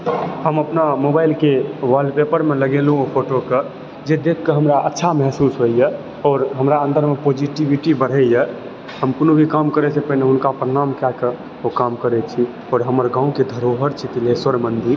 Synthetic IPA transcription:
həməpnamobaːɪlkeʋalɖpepəɾmẽləɡelɦũopʰoʈokə | d͡ʒed̪ekʰːəɦəmɾaʔətːʃʰamɛɦsusɦoijə | ɔːɾɦəmɾaə̃nd̪əɾmepod͡ʒiʈiʋiʈibəɽ̤ɛjə | həmkonobʱikamkəɾɛsepəɦineʊnkapɾənaːmkɛkə | okamkəɾɛt͡ʃʰi | ɔːɾɦəməɾɡãːũked̪ʱəɾoɦəɾt͡ʃʰit̪ileswəɾmənd̪ʱiɾ

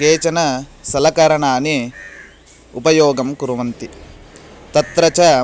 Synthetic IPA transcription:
keːt͡ʃɐnɐsɐlɐkɐɾɐɳaːni | upɐjɔːɡɐmkuɾuʋɐnt̪i | t̪ɐt̪ɾɐt͡ʃɐ

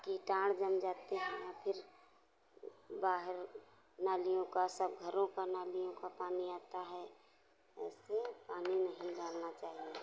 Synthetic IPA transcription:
kiʈãːɽd͡ʒəmd͡ʒaːt̪eɦɛ̃japʰɪɾ | baːɦəɾ | naːlijõkasəb̚ɡʱəɾõkanaːlijõkapaːniaːt̪aɦɛ | ɛːsepaːninəɦĩɖaːlnat͡ʃaːɦie

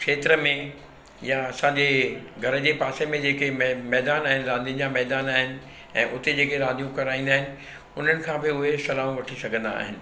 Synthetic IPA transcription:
kʃeːt̪ɾəmẽ | jaɐsãɲd͡ʑeːɡʱɐɾəd͡ʑeːpaːsemẽd͡ʑeːkemmɛːd̪aːnaːɦɪnɪ̆ɾãːnd̪iə̃nd͡ʑamɛːɦd̪aːnaːɦɪnɪ̆ | ɛ̰̃ːʔʊt̪ed͡ʑeːkeɾãːnd̪ijũkɐɾaːĩnd̪aːɦɪnɪ̆ | ʊn̤ənɪ̆kʰãːbɪʊɦesɐlaːʋũʋɐʈʰisɐɡʱə̃nd̪a̰ːɦɪnɪ̆

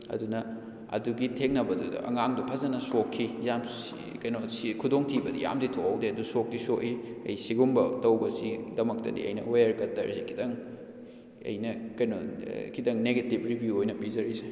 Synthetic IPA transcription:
ɐ̰dunɐ | ɐ̰duɡitʰeŋnɐbɐdudɐ̰ʔɐ̰ŋaŋdupʰɐzɐnɐsokʰːijam | kɐjnosikʰudoŋtʰibɐdḭja̰mditʰoawdeɐdusok̚disoʔiɐ̰jsiɡumbɐtɐwbɐsidɐmɐk̚tɐ̰dḭɐ̰jnɐ̰wojɐɾkɐtːɐɾsikʰidɐŋ | ɐ̰jnɐkɐjno̰kʰidɐŋneɡetip̚ɾibjuojnɐpizɐɾise̥

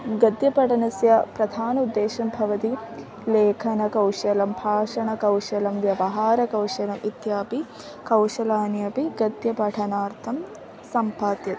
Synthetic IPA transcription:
ɡɐd̪jɐpɐʈʰɐnɐsjɐpɾɐd̪ʱaːnɐud̪ːeːʃɐmbʱɐʋɐt̪i | leːkʰɐnɐkɐwʂɐlɐmbʱaːʂɐɳɐkɐwʂɐlɐmʋjɐʋɐɦaːɾɐkɐwʂɐlɐmit̪jaːpi | kɐwʂɐlaːnjɐpiɡɐd̪jɐpɐʈʰɐnaːɾt̪ʰɐm | sɐmpaːt̪jɐt̪

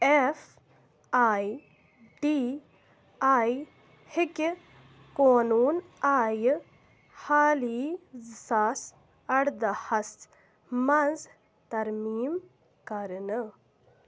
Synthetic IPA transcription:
ef | aːj | ɖi | aj | hik | koːnuːnaːj | haːliːzsaːs | ɐɽd̪ɐhɐst̪ | mɐnz | t̪ɐɾmiːm | kɐɾnə

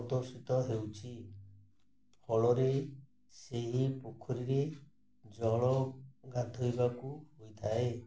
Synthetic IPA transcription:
d̪ɔɾsit̪ɔɦewt͡ʃʰi | pʰɔɭɔɾe | seɦipokʰɔɾiɾe | d͡ʒɔɭɔɡad̪ʱojbakuhojt̪ʰae

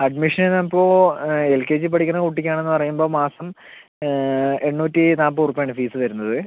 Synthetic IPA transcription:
ɐɖmiʂɐnenːɐpːoːelkeːd͡ʑip̬ɐʈʰikʲːɐrɐkuʈːikʲːaːɳe̞nːɨpɐrɐjumbo̞ːmaːsɐm | e̞ɳːuːtːinaːp̬ːɨurupːijaːɳɨfiːsɨʋɐɾunːɐðɨ

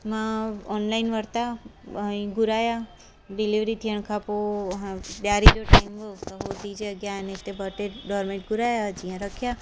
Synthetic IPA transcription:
mãɔnlainʋəɾt̪aəĩɡuɾaja | ɖiliʋɾit̪ʰiəɳkʰapo | d̪jaɾid͡ʒoʈajmʋət̪ɦod̪id͡ʒeəɡjanet̪ebəʈeɖɔɾmẽɳʈ̚ɡuɾajad͡ʒijãɾəkʰja

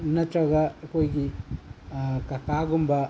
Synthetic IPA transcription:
nɐtɾaɡɐkojɡi | kakaɡumbɐ

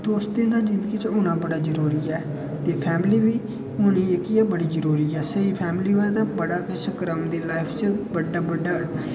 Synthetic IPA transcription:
d̪oːst̪ẽːd̪ãːd͡ʒɪ̃nd̪ɡiːt͡ʃʊnãːbəɽaːzəɾuːɾiːɛː | t̪eːpʰɛːmɪliːʋiː | ʊnieːkɪɛːbəɽiːzəɾuːɾiːɛːsəiːpʰɛːmliːaːt̪aːbəɽaːkɪsəkɾəmd̪eːlaːɪpʰt͡ʃəbəɖːaːbəɖːaː

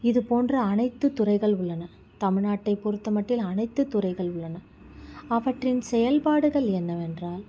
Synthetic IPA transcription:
ɪðɯpoːndrɐːnɐɪt̪ːɯt̪ːʊrɐɪɣɐɭʊɭːɐnɐ | t̪ɐmɪɻnaːʈːɐɪpːʊɾɯt̪ːɐmɐʈːɪlɐnɐɪt̪ːɯt̪ːʊrɐɪɣɐɭʊɭːɐnɐ | ɐʋɐʈrɪnsɛjɐlpaːɽɯɣɐɭɛnːɐʋɛndraːl

